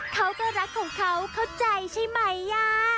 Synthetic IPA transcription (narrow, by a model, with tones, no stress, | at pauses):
kʰa˦˥wkɔː˥˩ɾa˦˥kʰːɔː˩˦ŋkʰa˦˥wkʰa˥˩wt͡ɕa˧jt͡ɕʰa˥˩jma˦˥˩jːaː˧˩